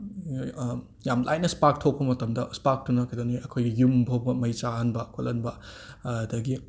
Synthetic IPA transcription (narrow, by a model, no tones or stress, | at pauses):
jamlʔa̰j̚nɐspak̚tʰok̚pɐmɐtɐmdɐspak̚tunɐkajdoniʔɐkʰojɡijumbʱoɡɐmɐjt͡ʃaɦɐnbɐkʰolɐnbɐɐdɐɡi